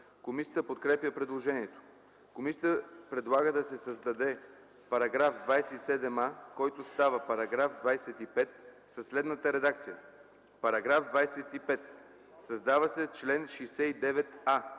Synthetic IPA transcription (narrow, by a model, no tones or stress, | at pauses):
komisʲiət̪əpot̪kɾɛpjəpɾɛd̪lˠoʒɛniɛt̪o̥ | komisit̪əpɾɛd̪lˠaɡəd̪ɐsɛsɐzd̪ɐd̪ɛ | pɐɾɐɡɾafd̪vajsɛisɛd̪ɛmakɔjt̪ost̪avəpɐɾɐɡɾafd̪vajsɛt̪ipɛt̪ | sɐslɛd̪nət̪əɾɛd̪ak̚t̪sijə | pɐɾɐɡɾafd̪vajsɛt̪ipɛt̪ | sɐzd̪avəsɛt͡ʃlɛnʃijsɛid̪ɛvɛt̪a